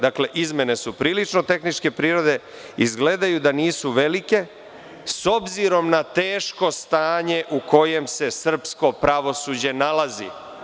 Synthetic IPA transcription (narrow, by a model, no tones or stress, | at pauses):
d̪akle̞ʔizme̞ne̞supɾiːlit͡ʃno̞t̪e̞xnit͡ʃke̞pɾiːɾo̞d̪e̞ | izɡle̞d̪ajud̪aniːsuʋe̞like̞ | so̞bziɾo̞mnat̪eːʃko̞st̪aːɲe̞ʔuko̞je̞mse̞sr̩psko̞pɾaʋo̞sud͡ʑe̞nalazḭ